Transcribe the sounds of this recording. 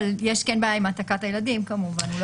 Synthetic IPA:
ljeʃkenbaːjaimat̪akatajelad̪imkamuvanl

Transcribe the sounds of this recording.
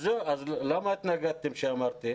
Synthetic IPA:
zɨɐzlɐmɐt̪ʲnɐɡɐt̪ːimɕaːmɐɾt̪e

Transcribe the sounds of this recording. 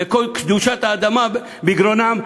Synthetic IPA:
ekolkd̪uʃat̪aːd̪ama | biɡɾonam

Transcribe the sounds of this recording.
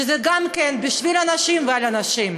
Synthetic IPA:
ezɛɡamkenbiʃvilanaʃimvealanaʃim

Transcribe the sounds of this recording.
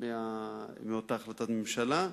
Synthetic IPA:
meameot̪aːχlat̪at̪memʃala

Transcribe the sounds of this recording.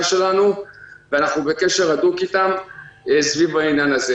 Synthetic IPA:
ʃe̞lanuveanaχnube̞ke̞ʃe̞ʁadukitamsvivainjanaze

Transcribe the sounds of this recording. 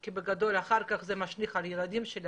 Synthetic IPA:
kibeɡad̪o̞laχaʁkaχzemaʃniχaljelad̪imʃel

